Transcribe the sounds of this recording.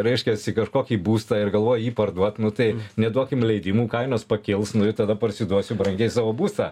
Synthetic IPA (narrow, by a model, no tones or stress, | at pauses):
ɾʲɛɪʃʲkʲɛsɪkɐʃkoːkʲiːbuːst̪ɑːɪrɡɐlˠʋoːjjiːpɐrd̪uɔt̪nʊt̪ɐɪnʲɛd̪uɔkʲɪmlʲɛɪd̪ʲɪmuːkɐɪnoːspɐkʲɪlˠsnʊɪt̪ɐd̪ɐpɐɾʲsʲɪd̪uɔsʲʊbɾɐŋʲɡʲɛɪsɑːʋoːbuːst̪ɑ̰ː